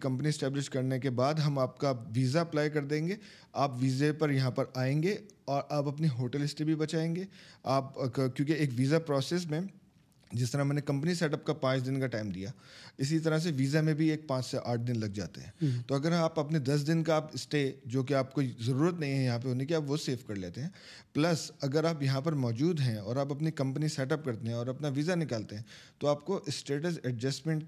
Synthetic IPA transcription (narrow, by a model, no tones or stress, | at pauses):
kɐ̃mpəniɛsʈɛːblɪʃkɐɾnekebaːd̪ɦɐmaːp̚kaːpʋiːzaɐplaːjkɐɾd̪ẽːŋɡeː | aːpʋiːzepɐɾjɐɦãpɐɾaːẽːŋɡeɔːɾʔaːpɐpniɦoːʈəlɪsʈebʱibɐt͡ʃaːẽːŋɡeːaːpkjõːkeːkʋiːzapɾɔːseːs̬mẽ | d͡ʒɪst̪ɐɾamɛ̃ːnekɐ̃mpəniseːʈɐpkapãːt͡ʃd̪ɪnkaʈaːɪmd̪ḭjaːɪsit̪̬ɐɾas̬eʋiːzamẽbʱieːk̚pãːt͡ʃseʔa̰ːʈ̚ʰd̪ɪnlɐɡ̚d͡ʒa̰ːt̪ḛɦɛ̃ːt̪oɐɡəɾaːpɐpned̪ɐs̬d̪ɪnkaːpɪsʈed͡ʒoːk̬eaːp̚koːizɐɾuːɾət̪nɐɦĩɦɛ̃jɐɦãp̬eɦoːnekiaːpʋoseːfkɐɾleːt̪eɦɛ̃ː | plɐsɐɡəɾaːpjɐɦãpɐɾmɔːd͡ʒuːd̪ɦɛ̃ɔːɾaːpɐpnikɐ̃mpəniseːʈəp̚kɐɾt̪eɦɛ̃ɔːɾɐpnaʋiːzanɪkaːlt̪eɦɛ̃ | t̪oaːp̚koʔɪsʈeːʈəsɛɖd͡ʒɐsʈmɛ̃ɳʈ